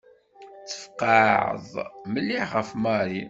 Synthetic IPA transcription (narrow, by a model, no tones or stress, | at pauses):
t͡sːə̥fqɑʕə̰ðˤməlːiʁəfmɑɾˤi